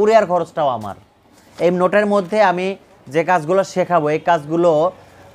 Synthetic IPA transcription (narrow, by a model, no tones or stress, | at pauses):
ɾiaɾkʰɔɾot͡ɕʈaoama̰ɾ | ejnoʈeɾmod̪ʱːeami | d͡ʑekad͡ʑɡuloʃekʰaboejkad͡ʑɡulo